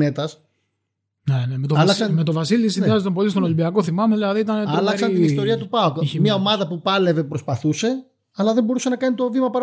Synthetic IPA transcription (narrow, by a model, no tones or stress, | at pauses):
et̪ɐs | nenemet̪oɐlɐksɐnme̞t̪o̞vɐsiliisinðiɐzet̪ompo̞list̪o̞no̞limbiɐko̞θimɐmeðilɐðiit̪ɐnet̪ɐolɐsɐnist̪o̞ɾiɐt̪upɐokiçemɲɐomɐðɐpupɐle̞ve̞pɾospɐθuse̞ | ɐlɐðembo̞ɾusenɐkɐnit̪o̞vimɐpɐɾ